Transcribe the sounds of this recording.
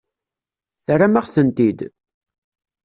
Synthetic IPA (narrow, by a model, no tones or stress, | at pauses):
θramaʁθənt̪id̪